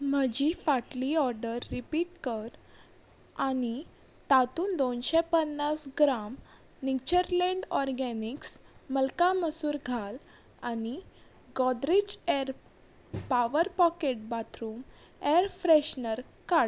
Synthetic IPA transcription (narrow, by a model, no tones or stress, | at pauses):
m̤əd͡ʑifaʈliɔɾɖəɾːipiːʈkəɾ | ani | t̪at̪uːnd̪onɕɛpənːasɡɾam | nit͡ɕəɾlɛ̃ɳɖɔɾɡɛniksməlkãməsuːɾɡʱal | ani | ɡɔd̪ɾid͡ʑɛɾ | paʋəɾpɔkeʈ̚bat̪ʰɾuːm | ɛɾfɾɛɕnəɾ | kaɽ